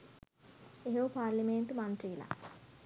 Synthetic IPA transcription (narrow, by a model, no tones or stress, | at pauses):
eɦopaːɾliment̪umant̪ɾiːla̰